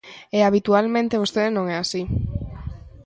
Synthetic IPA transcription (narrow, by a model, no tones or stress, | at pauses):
eaβ̞it̪ualmẽnt̪eβ̞ost̪eðenõŋɛasi